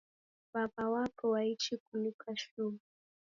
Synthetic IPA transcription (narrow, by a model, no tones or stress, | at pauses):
baɓawakʰɔwait͡ʃikunikʰaʃua